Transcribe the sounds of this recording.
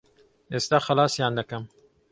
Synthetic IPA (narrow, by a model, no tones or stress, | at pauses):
ʔeːst̪aːxɐlaːsjaːnd̪ɐkɐm